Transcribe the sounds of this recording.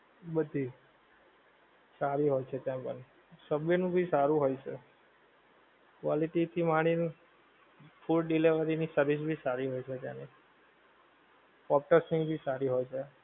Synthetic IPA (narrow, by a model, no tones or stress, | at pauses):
bəd̪ʱi | saɾiɦojt͡ʃʰet̪jãpə̰ɳ | səbjənũbʱisaɾũɦojt͡ʃʰe | kʋaliʈit̪ʰimaɽ̃in | fʰulɖileʋəɾinisəɾʋis̬bʱisaɾiɦojt͡ʃʰet̪jã̰ni | pɔp̚ʈəsĩŋɡbʱisaɾiɦojt͡ʃʰe